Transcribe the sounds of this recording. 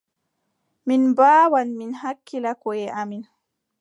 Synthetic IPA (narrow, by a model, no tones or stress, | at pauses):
minbaːwanminɦakːilakɔjɛʔamin